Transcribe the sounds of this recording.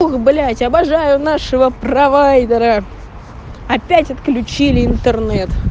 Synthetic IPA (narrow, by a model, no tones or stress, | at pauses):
xblʲætʲɐbɐʐajʊnaʂəvəprɐvajd̪əɾə | ɐpʲætʲɐt̪klʲʉt͡ɕilʲɪɪnt̪ərnɛt̪